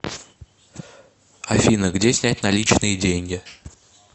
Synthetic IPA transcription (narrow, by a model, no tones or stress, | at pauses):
ɐfʲinəɡdʲesʲnʲæt̚ʲnɐlʲit͡ɕnɨjədʲenʲɡʲɪ